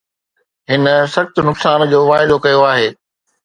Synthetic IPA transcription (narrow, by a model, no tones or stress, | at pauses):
ɦɪnə̆sɐxt̪ʊ̆nʊksaːnd͡ʑoːʋaːɪd̪okɐjoaːɦeː